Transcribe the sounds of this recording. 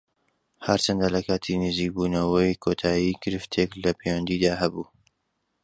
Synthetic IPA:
hɐɾt͡ʃɐnd̪aːlɐkʰaːt̪ʰinɨziːk̚buːnɐwɐjkʰot̪ʰaːjiːɡɨɾɨft̪ʰeklɐpʰewɐnd̪id̪aːhɐbuː

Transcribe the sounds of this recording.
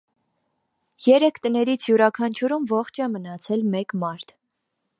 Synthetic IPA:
jɛɾɛkʰt̪ənɛɾit͡sʰjuɾɑkʰɑnt͡ʃʰuɾumvɔχt͡ʃʰɛmənɑt͡sʰɛlmɛkmɑɾt̪ʰ

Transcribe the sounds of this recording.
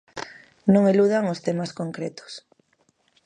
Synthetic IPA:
nõŋeluð̞aŋost̪emaskoŋkɾet̪o̥s

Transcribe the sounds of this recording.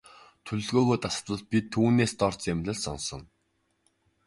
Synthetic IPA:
t̪ʰɵɮɵ̆ɮɣoːɣoːjt̪asə̥̆t̪ə̆ɮ̚pʲit̪ʰːuːneːst̪ɔrt͡semɮʲə̆ɮsɔ̰nsɞ̆n

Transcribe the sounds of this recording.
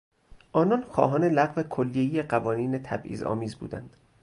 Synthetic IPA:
ʔɒːnɒnxɒ̰ːɦɒːnelæɣvekʰolːijeijeɢævɒːniːnet̪ʰæ̰bʔḭːzɒ̰ːmiːzbṵːd̪æ̰nd̪̥

